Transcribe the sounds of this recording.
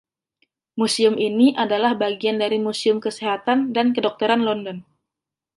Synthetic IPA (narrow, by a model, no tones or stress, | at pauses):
musiʊminiʔadalahbaɡiandaɾimusiʊmkəseɦat̪andankədɔk̚t̪əɾanlɔndɔn